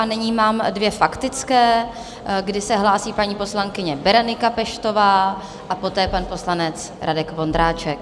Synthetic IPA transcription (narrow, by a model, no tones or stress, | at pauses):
ʔanɪɲiːmaːmdvjɛfakt̪ɪt͡skɛː | ɡdɪsɛɦlaːsiːpaɲiːpo̞slaŋkɪɲɛbɛɾanɪkapɛʃt̪o̞vaː | ʔapo̞t̪ɛːpanpo̞slanɛt͡s | ɾʔadɛkvo̞ndɾaːt͡ʃɛk̚